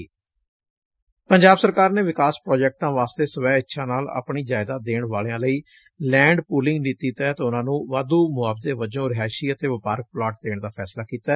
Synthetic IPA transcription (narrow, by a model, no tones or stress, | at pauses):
pəɲd͡ʒaːbsəɾkaːɾneːʋɪkaːspɾɔːd͡ʒɛːk̚ʈãːʋaːst̪eːsəʋɛːɪtːʃʰãːnaːla̰ːpɳiːd͡ʒaːɪd̪aːd̪eːɳʋaːlejãːləiː | lɛ̃ːɳɖpuːlɪ̃ŋɡniːt̪iːt̪əɛːt̪ːʊnãːnũːʋaːd̪uːmʊaːbd̪eːʋəd͡ʒõːɾɪɦaːʃiːət̪eːʋəpaːɾək̚plaːʈ̚d̪eːɳ̃d̪aːpʰɛːslaːkiːt̪aː